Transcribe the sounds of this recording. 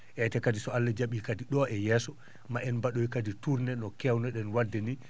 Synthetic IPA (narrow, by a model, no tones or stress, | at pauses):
ʔɛtɛkadisɔalːad͡ʒaɓikadiɗɔɛjɛːsɔ | maʔɛnbaɗɔjkadituɾnɛnɔkɛwnɔɗɛnwadːɛni